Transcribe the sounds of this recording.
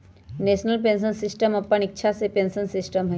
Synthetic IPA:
nesnalp̬ensonsisʈemɔpːaɳitːʃʰasepensonsisʈomɦɔj

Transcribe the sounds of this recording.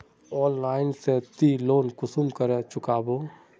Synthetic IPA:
ɔːnlaːɪnset̪iloːnkʊsʊmkəɾẽt͡ʃʊkaːboː

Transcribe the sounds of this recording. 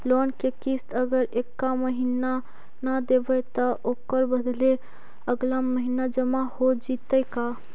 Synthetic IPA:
lonkekist̪əɡəɾekːaməɦina | nad̪ebət̪əʔokəɾbəd̪ʱle | əɡlamːəɦinad͡ʒəmahod͡ʒit̪əka

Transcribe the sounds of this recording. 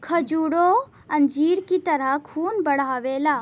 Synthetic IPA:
kʰəd͡ʒuːɽo | ɐnd͡ʒiːɽkit̪əɾakʰuːnbəɽ̤aːʋeːlaː

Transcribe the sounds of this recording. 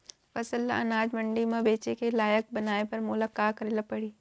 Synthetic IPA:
fɐsəlɐ̰naːd͡ʒmɐ̃ɳɖimãbeːt͡ʃekelaːjək̚bɐnaːepɐɾmʊlakaːkəɾeːlapɐɽiː

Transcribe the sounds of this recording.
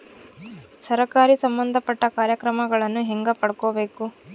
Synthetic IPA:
sɐɾɐkaːɾisɐmbɐnd̪ʱɐpɐʈːɐkaːɾjɐkɾɐmɐɡɐɭɐnːuɦeŋɡɐpɐɽɐkobe̞ːku

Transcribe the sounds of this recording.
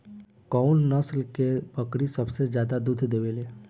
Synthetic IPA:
kɔunnəslkepəkɽisəbsezjaːd̪ad̪ud̪ʱd̪eːʋeleː

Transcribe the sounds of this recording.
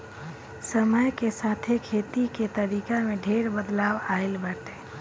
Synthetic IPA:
səməjkesaːt̪ʰekʰeːt̪iket̪əɾiːkamẽɖʱeɾbəd̪laːwaːɪlbəʈ̪eː

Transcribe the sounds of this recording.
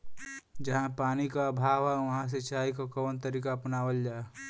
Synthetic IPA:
d͡ʒɐɦãpaːnikabʱaːʋɦɛʋɐɦãs̬et͡ʃaːikokɐːnt̪ɐɾiːkapnaːʋəld͡ʒaːe

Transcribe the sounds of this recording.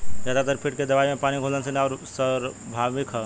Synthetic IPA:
d͡ʒaːd̪at̪əɾpʰiʈked̪ɐʋaːimẽpaːnikʰolənsinɔːɾsəɾbʱaʋikɦə

